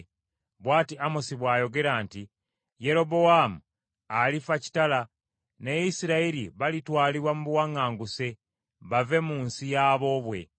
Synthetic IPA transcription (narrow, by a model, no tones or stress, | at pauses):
βwaːtiamosiβwaːjo̞ɡe̞ɾaːnti | je̞ɾo̞bo̞wamuː | lifaci̥tala | neisiɾaeɾiβalitwaːliβwamuβuwaŋaːŋɡuse̞ | βave̞muːnsijaːβo̞βwe̞̰